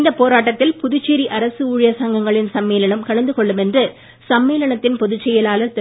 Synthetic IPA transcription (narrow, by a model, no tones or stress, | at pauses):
nd̪ɐpːoːɾaːʈːɐt̪ːɪlpʊðʊt͡ʃːeːɾiʔɐɾɐsɯuːɻɪjɐsɐːŋɡɐŋɡɐɭɪnsɐmːeːlɐɳɐmkɐɻɐnd̪ɯkɔɭːɯmɛndrɯ | sɐmːeːlɐɳɐt̪ːɪnpɔðɯt͡ʃːɛjɐlaːlɐɾt̪